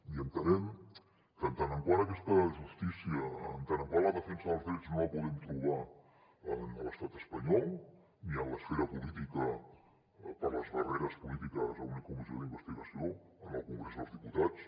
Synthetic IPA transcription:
iənt̪ənɛm | kənt̪anəŋkwaɾəkɛst̪əʒust̪isjiəːnt̪anəŋkwalˠəðəfɛnsəðəlˠzðɾɛd͡znoəpuðɛmt̪ɾuβ̞a | ənələst̪at̪əspəɲɔlˠ | niənləsfeɾəpulit̪ikə | pəɾləzβəreɾəspulit̪ikəzə̰unikumizjoðimbəst̪iɣəsioənəlˠkuŋɡɾezðəlzðiput̪at͡s

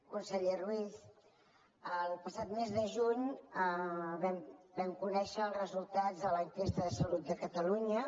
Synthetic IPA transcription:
kunsəʎerwis | əlˠpəsat̪mezðəʒuɲəβɛmbɛmkunɛʃəlˠrəzulˠt̪ad͡zðələŋkest̪əðəsəlut̪̚d̪əkət̪əluɲə

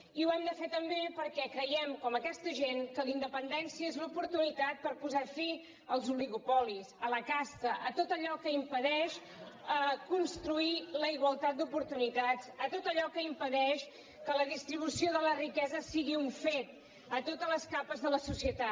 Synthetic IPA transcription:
iuɛmd̪əfet̪əmbepəɾkɛkɾəjɛmkɔməkɛst̪əʒeŋkəlind̪əpənd̪ɛnsiəezlupuɾt̪unit̪at̪̚pəɾpuzafi | əlˠzuliɣupɔlisələkast̪əʔət̪ot̪əʎɔkəimpəðɛʃ | əkunst̪ɾuiləiɣwəlˠt̪at̪̚d̪upuɾt̪unit̪azət̪ot̪əʎɔkəimpəðɛʃ | kələðist̪ɾiβusioðələrikɛzəsiɣiuɱfet̪̚ | ət̪ot̪ələskapəzðələsusiət̪a

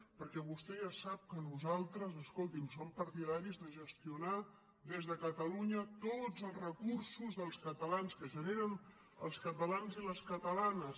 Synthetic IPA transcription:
pəɾkɛβust̪ɛʒasap̚kənuzalˠt̪ɾəzəskolˠt̪imsompəɾt̪iðaɾizðəʒəst̪iuna | d̪ezðəkət̪əluɲət̪od͡zəlˠzrəkursuzðəlˠskət̪əlanskəʒəneɾən | ə̰lˠskət̪əlanziləskət̪əlanəs

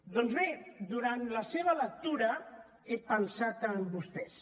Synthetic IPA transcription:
d̪ɔnzβed̪uɾant̪ləseβələk̚t̪uɾə | epənsat̪əmbust̪ɛs

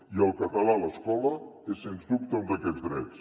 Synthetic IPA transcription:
iəlˠkət̪əlaləskɔləesːenzd̪up̚t̪əund̪əkɛd͡zðɾɛt͡s

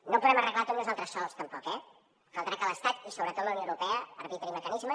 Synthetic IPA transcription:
nopuðɛmərəɣlat̪onuzalˠt̪ɾəsɔlˠst̪əmpɔkɛ | kalˠt̪ɾakələst̪at̪isoβɾət̪ot̪ləwnowɾupɛəəɾβit̪ɾiməkənizmə

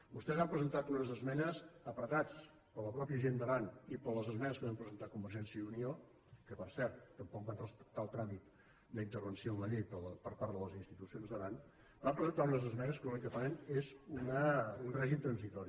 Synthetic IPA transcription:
bust̪ɛzampɾəzənt̪at̪unəzəzmɛnəsəpɾət̪at͡s | pələpɾɔpiəʒend̪əβanipələzəzmɛnəskəβampɾəzənt̪akumbəɾʒɛnsjiəunio | kəpəɾsɛɾt̪ːəmpɔk̚bant̪at̪alˠt̪ɾamit̪ | d̪əint̪əɾβənsioumənipəlpəɾpaɾd̪ðələzinst̪it̪usionzðəβan | bampɾəzənt̪aunəzəzmɛnəskəlunik̪əfanenezunəunrɛʒimt̪ɾənzit̪ɔɾi

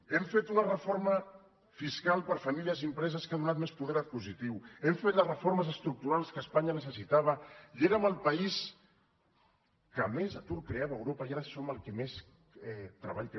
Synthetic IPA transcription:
ɛmfet̪unərəfoɾmə | fiskalˠpəɾfamiliəziəmpɾɛzəskaðunat̪̚mespuðɛɾəpuzit̪iwɛmfet̪ləzrəfoɾməzəst̪ɾuk̚t̪uɾalˠskəːspaɲənəsəsit̪aβ̞əieɾəməlˠpɐis | kəmezat̪uɾkɾeaβəːwɾopəiaɾəsɔməlˠkɛmes | ɛt̪ɾə̰βaʎk

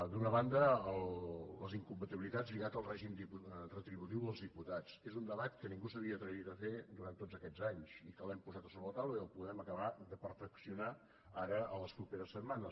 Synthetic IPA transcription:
d̪unəβand̪əːlləziŋkumpət̪iβilit̪ad͡zliɣat̪əlˠrɛʒimd̪iurət̪ɾiβut̪iwðəlˠzðiput̪at͡sezund̪əβat̪kənĩŋɡusəβiəːt̪ɾəit̪əfed̪uɾant̪ːod͡zəkɛd͡zaɲzikəlɛmpuzat̪əsoβɾələt̪awləiəlˠpuðɛməkəβaðəpəɾfəksiuna | aɾəələspɾupeɾəsːəd̪manəs

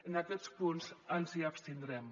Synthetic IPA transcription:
ənakɛspunzənziapst̪ind̪ɾɛm

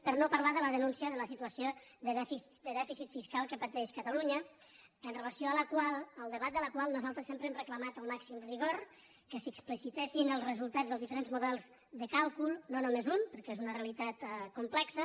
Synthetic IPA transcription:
pəɾnopəɾlaðələðənunsiəðələsit̪uəsioðəðɛfi | d̪əðɛfisit̪fiskalˠkəpət̪ɛʃkət̪əluɲə | ənrələsioələkwalˠəlˠd̪əβ̞at̪̚d̪ələkwalˠnuzalˠt̪ɾəsempɾəɛmrəkləmat̪əlˠmaksimriɣ̞oɾ | kəsəksplisit̪ɛʃinəlˠzrəzulˠt̪ad͡zðəlˠzðifəɾenzmuðɛlˠz | ðəkalˠkulˠnonumezumpəɾkɛezunəreəlit̪at̪kumplɛksə

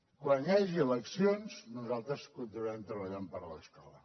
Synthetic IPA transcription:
kwanjaʒiələksionznuzalˠt̪ɾəskunt̪inuɛmt̪ɾəβəʎampəɾlə̰skɔlə

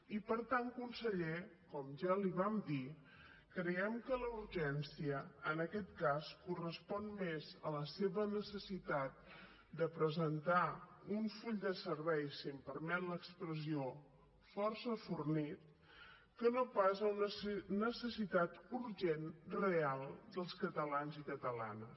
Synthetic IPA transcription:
ipəɾt̪aŋkunsəʎekɔmʒaliβamd̪i | kɾəɛmkələuɾʒɛnsiəːnəkɛt̪̚kaskurəspɔnmezələseβənəsəsit̪at̪̚ | d̪əpɾəzənt̪auɱfuʎd̪əsəɾβɛjsimpəɾmɛnləkspɾəzio | fɔrsəfurnit̪̚ | kənopazəunənəsəsit̪at̪uɾʒenrealˠd̪əlˠskət̪əlanzikət̪əla̰nə

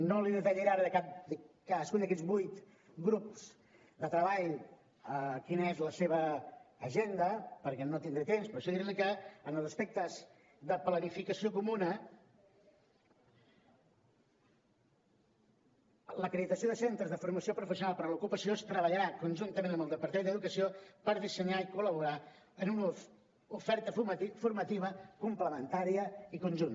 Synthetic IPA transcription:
noliðət̪ɛʎeɾaɾəðəkap̚d̪kaðəskund̪əkɛd͡zbujt̪ | ɡɾupz̥ | d̪ət̪ɾəβaʎ | əkinəezləseβəːʒend̪əpəɾkɛnot̪ind̪ɾet̪emspɾɔʃɔðiɾenikəənəlˠzəspek̚t̪əz | ðəplənifikəsiokumunə | ləkɾeðit̪əsijoðəsent̪ɾəzðəfuɾməsiopɾufəsiunalˠpəɾlukupəsiost̪ɾəβəʎəɾakunʲʒunt̪əmẽnəmbəlˠd̪əpəɾt̪end̪əðukəsiopəɾðisəɲaikuləβ̞uɾa | ənun | ufɛɾt̪əffuɾmət̪iβ̞əkumpləmənt̪aɾiəikunʲʒun

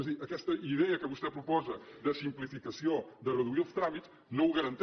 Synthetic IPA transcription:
ɐʒðiʔɐkɛʃt̪ɐʔiðɛjɐkɐβuʃt̪ɛpɾupɔzɐd̪ɐsĩmplˠifikɐsjɐ̃d̪ɐʁɐðuilˠft̪ɾamit̪ | nɐ̃w̃uɣɐɾɐ̃nt̪

